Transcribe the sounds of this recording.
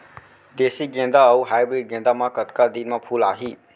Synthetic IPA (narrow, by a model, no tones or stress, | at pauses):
d̪esiɡẽnd̪aʌwɦajbɾiɖ̚ɡẽnd̪amakət̪kad̪inmapʰulaɦi